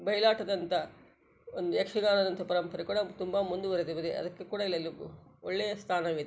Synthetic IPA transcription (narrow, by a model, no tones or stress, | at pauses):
bɐjlaːʈɐd̪ɐnt̪ɐ | ond̪ujekʂɐɡaːnɐd̪ɐnt̪ʰɐpɐɾɐmpɐɾɐkuːɽɐt̪umbɐmund̪uʋɐɾed̪ibɐd̪eʔɐ̰d̪ɐkːekuːɽaɐilːɐlːuoɭːejɐst̪ʰaːnɐʋit̪e